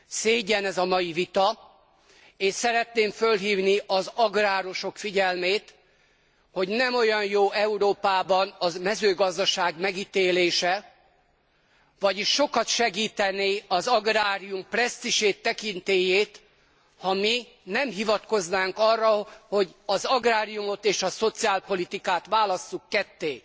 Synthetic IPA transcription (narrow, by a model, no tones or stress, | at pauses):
seːɟɛnɛzɒmɒjivit̪ɒ | eːʃsɛɾɛt̪neːɱfø̞lɦiːvniʔɒzɒɡraːɾo̞ʃo̞kfiɟɛlmeːt̪ | ho̞ɟnɛmo̞jɒnjoːʔɛuɾoːpaːbɒnɒmɛzøːɡɒzd̪ɒʃaːɡmɛɡit̪eːleːʃɛ | vɒɟiʃːo̞kɒt̪ʃɛɡiːt̪ɛniɒzɒɡraːɾijumprɛst̪iʃeːt̪ːɛkint̪eːjeːt̪ | hɒmi | nɛmɦivɒt̪ko̞znaːŋkɒrːɒho̞ɟɒzɒɡraːɾijumo̞t̪eːʃɒso̞t̪siaːlpo̞lit̪ikaːt̪ʋaːlɒsːukːɛt̪ːeː